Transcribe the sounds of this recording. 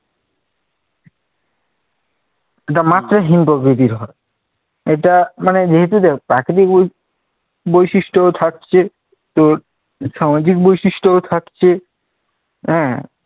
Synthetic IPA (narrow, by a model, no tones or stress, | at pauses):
eʈamat̪ːɾaɦinpɾokɾit̪̬iɾɦɔe | eʈamaned͡ʑeɦet̪̬ud̪ɛkʰpɾakɾit̪̬ik | bojʃiʃʈoot̪ʰak̚t͡ɕʰe | t̪o | ʃamad͡ʑik̚bojʃiʃʈoot̪ʰakt͡ɕʰe | ɦɛ̃